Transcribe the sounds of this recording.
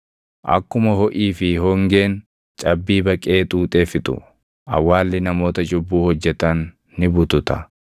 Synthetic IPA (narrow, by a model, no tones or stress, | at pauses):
ʔɐ̰kːʊmɐhɔʔiːfɪɦɔŋɡe̞ːn | t͡ʃʼɐbːiːbɐkʼe̞ːt̪ʼuːt̪ʼe̞ːfɪt̪ʊ̰ | ʔɐ̰wːaːlːɪnɐmo̞ːt̪ɐd͡ʒʊbːuːhɔd͡ʒːɛt̪ɐnː | ɪbʊt̪ʊt̪ɐ